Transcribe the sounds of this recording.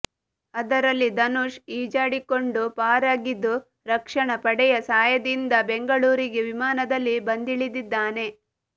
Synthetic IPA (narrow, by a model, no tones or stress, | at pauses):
ɐd̪ɐɾɐlːid̪ɐnuʃiːd͡ʒaːɽiko̞ɳɖupaːɾaːɡid̪ːu | ɾɐkʂɐɳɐpɐɽɛjɐsaːjɐd̪ind̪ɐbe̞ŋɡɐɭuːɾiɡe̞ʋimaːnɐd̪ɐlːibɐnd̪iɭid̪id̪ːaːne̞